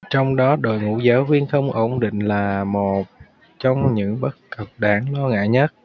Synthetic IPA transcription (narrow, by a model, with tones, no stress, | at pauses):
t͡ɕɔ˧wŋ͡mɗɔ˨˦ɗo̰˧˨jŋṵ˧˥zaː˨˦wvi˧ənxə˧wŋ͡mʔo˧˩wŋ͡mɗḭ̈˧˨ŋ̟laː˨˩mo˨˩t̚ | t͡ɕɔ˧wŋ͡mɲɨ̰˧˥ŋɓə˦˥t̚kə˨˩p̚ɗaː˨˩˦ŋlɔ˧ŋa̰ː˧˨jɲə˦˥t̚